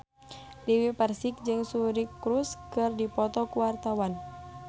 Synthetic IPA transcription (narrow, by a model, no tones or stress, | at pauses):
diwipərsik̚d͡ʒɨŋsuɾikːɾuskɨrdipɔt̪ɔkuwart̪awan